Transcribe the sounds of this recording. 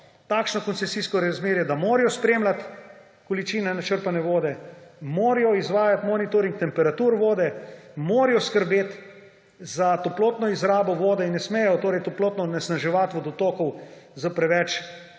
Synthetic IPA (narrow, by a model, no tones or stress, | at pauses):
t̪aːkʃnɔkɔnt̪sɛsiːskɔɾazmeːɾjɛd̪amoːɾijɔspɾeːmlat̪ | kɔlit͡ʃiːnɛnat͡ʃəɾpanɛʋoːd̪ɛmoːɾijɔizʋaːjat̪mɔnit̪oɾiŋk̚t̪ɛmpɛɾat̪uːɾʋoːd̪ɛmoːɾijɔskəɾbeːt̪ | zat̪ɔploːt̪nɔizɾaːbɔʋoːd̪ɛinːɛsmeːjɛjɔt̪oːɾɛjt̪ɔploːt̪nɔnɛsnaʒɛʋat̪ʋɔd̪ɔt̪oːkɔwzəpɾɛʋɛt͡ʃ